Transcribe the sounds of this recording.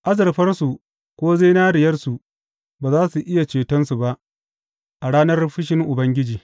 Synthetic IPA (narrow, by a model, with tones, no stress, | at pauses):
ʔa˦zɐ˨rɸɐ˦rsu˨ | kʷoː˦ze˦naː˦ɽɪ˨jɐ˦rsu˨ | baː˨zaː˦su˨ʔɪ˦ja˨t͡ʃeː˨tɐ˦nsu˨ba˦ʔ | ʔa˨ɽaː˦nɐ˦rɸɪ˦ʃɪ˦ŋʔʊ˨bɐ˦ŋɡʲɪ˦d͡ʒiː˨